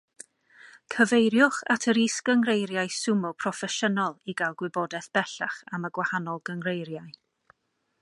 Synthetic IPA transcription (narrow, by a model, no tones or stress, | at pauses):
kʰəvejɾjʊχa̰tʰəɾisɡəŋrejɾjajsʊmʊpʰrɔfɛʃənɔlˠiɡalˠɡwɪbɔdɛθb̥ɛɬaχaməɡwahanɔlˠɡəŋrejɾjaj